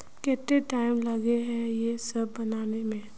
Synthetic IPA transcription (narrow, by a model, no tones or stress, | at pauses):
kɛːt̪ːeʈaːɪmlɐɡeɦɛ̃jesɐbːɐnaːnemẽː